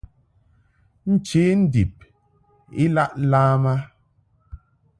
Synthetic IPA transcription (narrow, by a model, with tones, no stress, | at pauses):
n̩˦t͡ʃe˨˦n̩˦di˨p̚ | i˦la˦ʔlaː˦ma˦